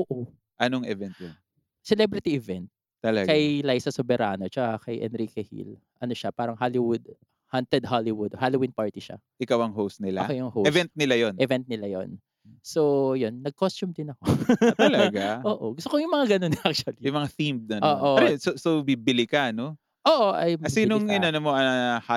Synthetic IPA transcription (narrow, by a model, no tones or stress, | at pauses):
ʔoːʔo | ʔɐnoŋɛvɛnt̪̚jon | sɛlɛbɾɪt̪iʔɛvɛnt̪̚ | t̪ːɐlɐɡkɐjlajsɐsobɛɾʔaːnot͡ʃɐʔakɐjʔɛ̰nɾikɛhḭl | ʔɐno̞ʃapaːɾɐŋɦalɪwʊd̪̚ | hant̪ɛd̪̚halɪwʊd̪halowinpaɹt̪iʃa̰ | ʔɪkawɐŋɦowst̪̚nɪlaokejʊŋhowɛsvɛnt̪̚nɪlajonʔɛvɛnt̪̚nɪlajo̰n | sojonːɐɡ̚kost͡ʃʊmd̪ɪnɐkotɐlɐɡaʔoːʔoɡʊst̪okojʊŋmɐŋaɡɐnonʔak̚t͡ʃɐlijʊmɐŋaθimd̪onoːʔoɛsosobibɪlɪkano | ʔoːʔoʔɐjmsiːnoŋɪnɐnɐmoɐha